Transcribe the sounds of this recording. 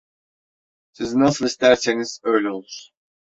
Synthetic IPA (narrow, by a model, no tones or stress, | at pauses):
sizinasɯlˠist̪æɾseniz̥ø̞jlʲɛo̞lˠuɾ̥